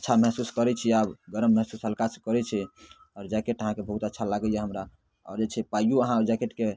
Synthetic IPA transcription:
ətːʃʰaməɦsuskəɾɛt͡ʃʰiabɡəɾəmːəɦsusɦəlkaskəɾɛt͡ʃʰɛ | ɔːɾd͡ʒakeʈəɦãkebəɦut̪ətːʃʰalaɡɛjeɦəmɾa | ɔ̰ɾd͡ʒet͡ʃʰɛpajjuəɦãɾd͡ʒakeʈke

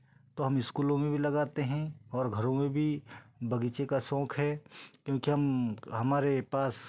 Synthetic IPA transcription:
t̪oːɦɐmɪskuːlõmẽbʱilɐɡaːt̪eɦɛ̃ɔːɾɡʱɐɾõmẽbʱibɐɡiːt͡ʃekasɔ̃ːkʰɦɛːkjõːkiɦɐmɦɐmaːɾepaːs

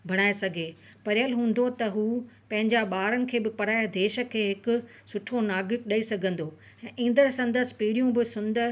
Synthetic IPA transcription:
bʱɐɽ̃aːesɐɡʱeː | pɐɾjəlɦũːn̆d̪ot̪ɐɦuːpɐ̃ɦɪ̃ɲd͡ʑaɓaːɾənɪ̆kʰeːbɪpɐɽaːjed̪eːʃə̆kʰeːɦɪkʊ̆ | sʊʈʰonaːɡɾɪk̚ɗaːisɐɡʱə̃nd̪o | ɛ̃ːʔĩːn̆d̪əɾsɐ̃nd̪əsɪ̥̆piːɽijũbɪsʊnd̪ə

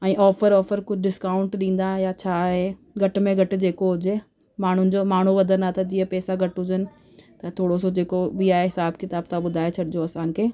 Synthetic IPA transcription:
ɛ̃ːʔɔːfəɾɔːfəɾkʊd͡ʑʱɪɖɪskaːʊ̃ɳʈɗĩːn̆d̪ãjat͡ɕʰaːɦe | ɡʱɐʈmẽɡʱɐʈɪ̆d͡ʑeːkoɦʊd͡ʑe | maːɳ̤ʊnɪ̆d͡ʑoːmaːɳ̤uʋɐd̪ʱənat̪ɐd͡ʑiːəpɛːsaɡʱɐʈɦʊd͡ʑənɪ̆ | t̪ɐt̪ʰoːɽos̬od͡ʑeːkobiaːɦeɦɪsaːbkɪt̪aːbt̪ʰaɓʊd̪ʱaːet͡ɕʰɐɗɪd͡ʑoɐsãːkʰeː

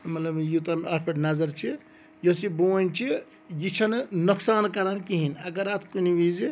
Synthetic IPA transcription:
mɐt̪ləbjut̪amapʰeʈnazəɾt͡ʃʰi | josibont͡ʃʰi | jit͡ʃʰɐnnuksaːnkaɾankiɦinɐɡəɾat̪ʰkuniʋizi

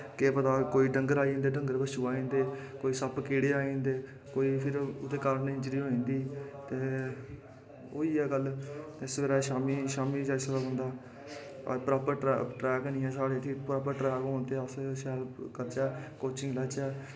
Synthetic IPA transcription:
keːpət̪aːkoːiːɖəŋɡəɾaːĩːnd̪eːɖəŋɡəɾbəʃuːaːĩːnd̪eːkoːiːsəpkeːɽeːaːĩːnd̪eː | koːiːpʰɪɾʊt̪eːkəɾneɪ̃t͡ʃɾiːɦoːĩːnd̪iːt̪eː | o̰ːiːɛːɡəlːɪsʋeːɾaːʃaːmiːʃaːmiːt͡ʃaɪsʋeɾaːɦʊ̃nd̪a̰ː | pɾaːpəɾʈɛʈɾɛːknĩːɛːsaːɽeːt̪ʰiːpɾaːpəɾʈɾɛːkɦõːnt̪eːəsʃɛːlkəɾt͡ʃɛːkoːt͡ʃɪ̃ŋɡlɛːt͡ʃɛː

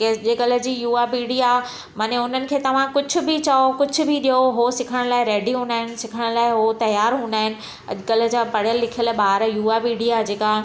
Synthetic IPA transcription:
keʄekəl̤ə̆d͡ʑiːjuːaːbiːɽia | maːneʊn̤ənɪ̆kʰeːt̪ɐʋ̤ãkʊd͡ʑʱʊ̆bɪt͡ɕaːokʊd͡ʑʱʊ̆bʱɪɗijoɦosɪkʰəɽ̃laːɪɾeːɖiɦũːnd̪aːɦɪnɪ̆sɪkʰəɽ̃laːɪɦot̪ɐjaːɾɦũːnd̪aːɦɪnɪ̆ | ɐ̰ʄʊkələ̆d͡ʑaːpɐɽ̤jəlːɪkʰijəlɓaːɦɾjuːapiːɽijad͡ʑeːka

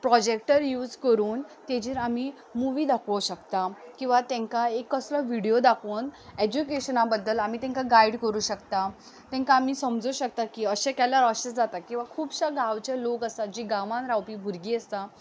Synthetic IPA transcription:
pɾɔd͡ʑek̚ʈəɾjuːd͡zkəɾuːnt̪ẽd͡ʑiɾami | muʋiːd̪akʰəɕəkt̪akĩw̃ʋat̪ɛ̃ŋkaekːəslɔʋiɽijod̪akʰoːned͡ʑukeɕənabəd̪ːəlamit̪ɛ̃ŋkaɡaiɽkəɾuːɕəkt̪a | t̪ɛ̃ŋkaːmiːsəmd͡zuːɕək̚t̪akiːəɕekjalaɾəɕəsd͡zat̪akĩw̃ʋakʰuːbɕaɡʱaʋt͡ɕjalokəsad͡ʑiːɡãʋãnɾawpiːbʱuɾɡiːəst̪a

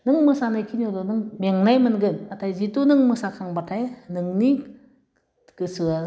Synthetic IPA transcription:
nɨŋmɯsanajkʰiɲolonɨŋmɛŋnajmənɡənatʰajzit̪unɨŋmɯsakʰaŋbatʰajnɯŋni | kɨsɯa

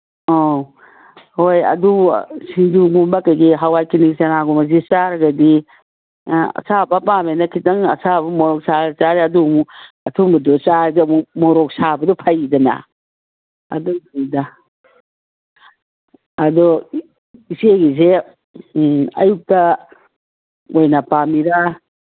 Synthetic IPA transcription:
o | hojɐ̰dusind͡ʒuɡumbakɐɡiɦawajkiniksɐnaɡumɐzit͡ʃaɾɐɡɐdi | ɐ̰sabɐpamenɐkʰitɐŋɐ̰sabɐmɔɾɔk̚saɐt͡ʃaɾiɐdumu | ɐtʰumbɐdɔt͡ʃaɾdmumoɾɔk̚sabɐdɔpʰajidɐna̰ | ɐ̰dɔida | ɐdɔ | iseɡize | ɐ̰juk̚tɐ | ojnapamiɾa

